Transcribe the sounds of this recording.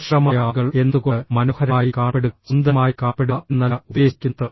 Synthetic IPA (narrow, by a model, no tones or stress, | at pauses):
ɕrɐmɐjaːɣɐɭe̞nd̪ukomɐnohɐɾɐːjikaːpːeɽuund̪ɐmaːjikaːpːeɽunːɐlɐubeːsi̥kʲːunt̪ːɨ